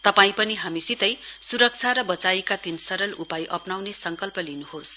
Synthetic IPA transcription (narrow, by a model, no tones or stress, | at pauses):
t̪ʌpaĩpʌniɦamisit̪ʌjsuɾʌk̚t͡sʰaɾʌbʌt͡saikad̪insʌɾʌlupajʔʌpnawnesʌŋkʌlpʌlinuɦos